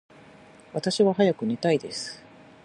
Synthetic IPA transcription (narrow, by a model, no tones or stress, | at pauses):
βat̪aɕiβaɦajakɯ̟ne̞t̪aid̪e̞sɨ̥